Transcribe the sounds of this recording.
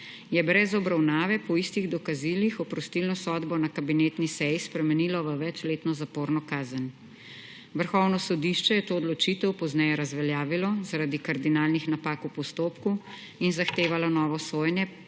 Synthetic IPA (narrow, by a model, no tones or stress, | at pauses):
jɛbɾɛzɔbɾawnaːʋɛpɔist̪iɣd̪ɔkazilixɔpɾɔst̪ilnɔsɔːd̪bɔnakabineːt̪nisɛjispɾɛmɛniːlɔʋəʋɛt͡ʃleːt̪nɔzapoːɾnɔkaːzən | ʋəɾxɔwnɔsɔd̪iʃt͡ʃɛjɛt̪oːd̪lɔt͡ʃit̪əwpɔznɛjɛɾazʋɛljaːʋilɔzaɾad̪ikaɾd̪inaːlnixnapaːkupɔst̪oːpku | inzaxt̪eːʋalɔnɔːʋɔsoːjɛnjɛ